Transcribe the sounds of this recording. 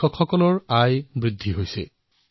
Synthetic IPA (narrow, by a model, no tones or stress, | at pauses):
ɔkxɔkɔlɔɹajbɹid̪ʱːiɦojsɛ̰